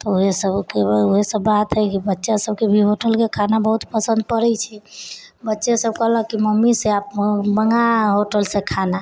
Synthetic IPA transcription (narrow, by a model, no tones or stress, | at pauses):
t̪ɔoɦesəbkeoɦesəbːat̪ɦəjkibətːʃasəb̚kebʱiɦoʈəlkekʰanabəɦut̪pəsə̃nd̪̚pəɾɛt͡ʃʰɛ | bətːʃesəbkəɦləkiməmːiseap̚bəŋɡaɦoʈəlsẽkʰana